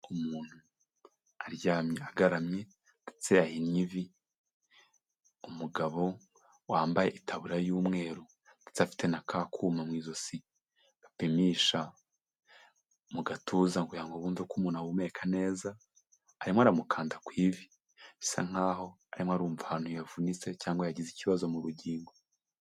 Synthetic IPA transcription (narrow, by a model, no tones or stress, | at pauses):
umuːn̥hu | aɾjaːmɲeaɡaɾamɲe | di̥t͡seahinɲivi | umuɡaβo̞ | waːmbaje̞ʔitʰaβuɾajuːmŋe̞ːɾu | d̥i̥t͡safi̥tenakʰaːkʰuːmamŋiːzo̞si | βapimiʃa | muɡatʰuːzaŋɡujaŋɡoβuːnvukumunawume̞kʰane̞ːzaː | ɾimwoaɾamukʰaːndakwiːvi | i̥sa̰ŋ̥aːɦo̞ | aɾimwaɾuːɱvuhanujavunit͡se̞caːŋɡwejaɟiziciβazo̞muɾuɟiːŋɡo